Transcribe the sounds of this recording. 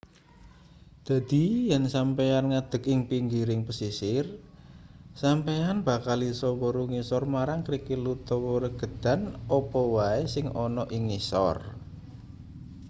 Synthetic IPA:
d̪̥a̤d̪̥i̤jɛnsampejanŋad̪̥ə̤kɪŋpiŋɡiɾɪŋpəsisɪr | sampejanb̥a̤kalisɔwɔɾuŋisɔrmaɾaŋkɾikilut̪ɔwɔɾəɡ̥ə̤d̪̥a̤nɔpɔwaesɪŋɔnɔʔiŋisɔ̰r

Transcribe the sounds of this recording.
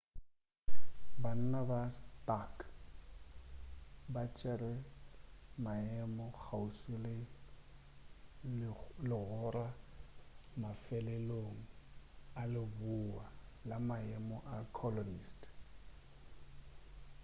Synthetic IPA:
ban̩nabastak | bat͡ʃʼɛrɛ | maɛmɔk͡xʰausɪlɪ | lɪɣʊra | mafɛlɛloŋ̩alɪbualamaɛmɔʔakʰɔlɔnist

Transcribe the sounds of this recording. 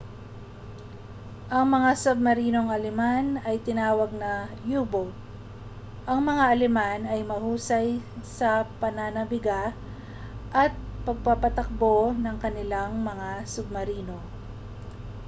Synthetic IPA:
ʔɐŋmɐŋasob̚mɐɾiːno̞ŋɐlɛmanɐjt̪ɪnaːwɐɡ̚nɐjuːboɡ̚ | ʔɐŋmɐŋaʔɐlɛmanɐjmɐhuːsɐjsɐpɐnanɐbɪɡa | ʔɐt̪̚pɐɡ̚papɐt̪ɐk̚bo̞nɐŋkɐnɪlaŋmɐŋasʊb̚mɐɾiːno̞

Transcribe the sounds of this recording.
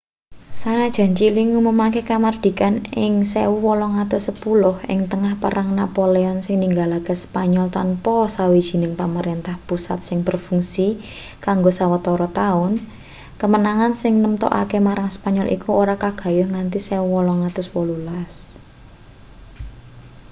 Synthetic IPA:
sanad̥ʒ̥a̤ɲt͡ʃiliŋumumakekamard̪̥i̤kanɪŋsewuwɔlɔŋat̪ʊsəpulʊhɪ̰ŋt̪əŋahpə̰ɾʔaŋnapoleɔnsɪŋniŋɡalakəspaɲɔlt̪anpɔsawid̥ʒ̥i̤nɪŋpaməɾent̪ahpusa̰t̪̚sɪŋb̥ərfuŋsi | kaŋɡosawət̪ɔɾɔt̪aʊn | kəmənaŋansɪŋnəmt̪ɔ̰ʔa̰kemaɾaŋsə̥paɲɔlʔḭkuoɾakaɡ̥a̤jʊhŋant̪isewuwɔlɔŋat̪ʊswɔlulas

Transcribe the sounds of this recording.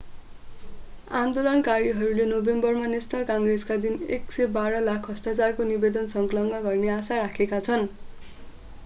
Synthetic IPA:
ãnd̪olʌnkaɾiɦʌɾulenobembʌrmanist̪ʌrkaŋɡreskad̪ineksebaɾʌlakʰɦʌst̪at͡sarkonibed̪ʌnsʌŋklʌŋɡʌɡʌrneasaɾakʰekat͡sʰʌn

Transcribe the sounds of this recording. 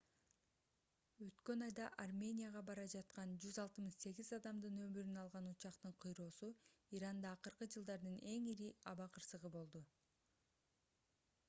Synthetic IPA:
øt̪kø̞nɑjd̪ɑʔarmʲe̞nʲijaʁɑbɑɾɑd͡ʒɑt̪̚qɑnd͡ʒyzɑlˠt̪ɯmɯʃse̞ɡʲizɑd̪ɑmd̪ɯnø̞myɾynɑlˠʁɑnut͡ʃɑqt̪ɯɴqʰɯjɾo̞ːsuiɾɑnd̪ɑːqɯɾqɯd͡ʒɯlˠd̪ɑɾd̪ɯne̞ŋiɾiɑβɑqʰɯɾsɯʁɯbo̞lˠd̪u

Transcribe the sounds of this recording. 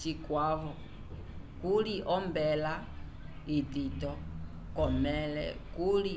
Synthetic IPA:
t͡ʃikwaβɔ | kuliʔɔmbɛla | ititɔ | kɔmɛlɛ̰kuli

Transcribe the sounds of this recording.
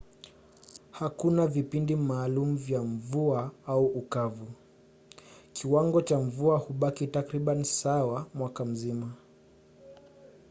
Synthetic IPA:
hakunavipindimaːlumuvjaɱvuaauukavu | kʰiwaŋɡɔt͡ʃaɱvuahuɓakitakɾiɓanisawamwakam̩zima

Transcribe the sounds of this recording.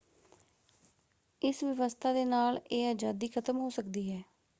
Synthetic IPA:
ɪsʋəʋəst̪ʰaːd̪eːnaːleːaːd͡ʒaːd̪iːkʰət̪əmɦoːsəkd̪iːɦɛː

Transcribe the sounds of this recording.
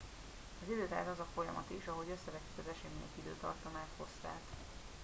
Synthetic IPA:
ɒzid̪øːt̪a̰ːzɒzɒfo̞jɒ̰mɒ̰t̪iʃɒɦo̞ɟø̞sːɛvɛt̪ːy̥kɒzɛʃeːminḛk̪id̪ø̰ːt̪ɒ̰rt̪ɒmaːt̪ho̞st̪a̰ːt̪

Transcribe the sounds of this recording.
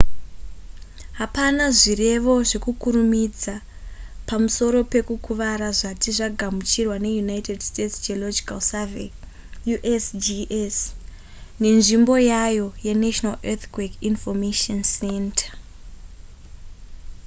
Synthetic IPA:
ɦapanaʐire̞ʋo̞ʐe̞kukuɾumid͡za | pamuso̞ɾo̞pe̞kukuʋaɾaʐatiʐaɡʱamut͡ʃirwane̞junaitedstetsd͡ʒiolod͡ʒikalsave | juʔesd͡ʒiʔes | ne̞nʐimbo̞jajo̞je̞neʃnalet̪kwekinfomeʃonsentʰḁ

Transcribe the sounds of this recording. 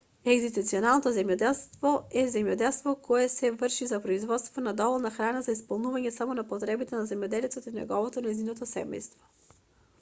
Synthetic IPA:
ɛɡzit̪ut̪siɔnalˠnot̪ozɛmjɔd̪ɛlˠst̪vɔɛzɛmjɔd̪ɛlˠst̪vɔkɔɛsɛvərʃizapɾoizvɔt̪st̪vonad̪ɔvɔlˠnaxɾanazaispolˠnuvaɲɛsamonapot̪ɾɛbit̪ɛnazɛmjɔd̪ɛlit̪sɛt̪inɛ̰ɡɔvɔt̪onɛjzinot̪osɛ̰mɛ̰jst̪vɔ̥

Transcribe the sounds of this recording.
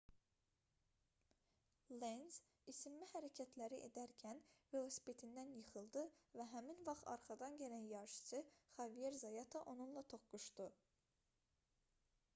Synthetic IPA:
lenz̥ | isimlihæɾæcʰæt̪ʰlæɾiʔed̪æɾcʰænvelˠosi̥pʰe̞t̪ʰind̪ænjɯχɯlˠd̪ɯvæɦæminvɑχt̪ɑ̰ɾχɑd̪ɑnɟælænjɑɾʃɯ̥sɯχɑvijeɾzɑjɑt̪ʰɑʔo̞nunlˠɑt̪ʰo̞χɡuʃd̪ɯ

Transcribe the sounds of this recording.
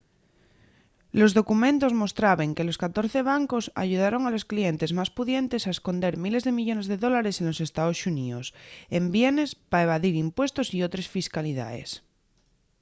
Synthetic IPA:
lo̞zðo̞kumẽnt̪ozmo̞st̪ɾaβeŋkelo̞skat̪o̞ɾθeβ̞aŋkosa̰ʝuð̞aɾo̞ŋalo̞sklient̪e̞zmaspuðje̞nt̪esaesko̞nd̪e̞ɾmile̞zðemiʎo̞ne̞zð̞eðo̞laɾe̞senlo̞sest̪aosuniosembjene̞spaeβ̞aðiɾimpwe̞st̪osiot̪ɾesfiskaliða̰ḛs

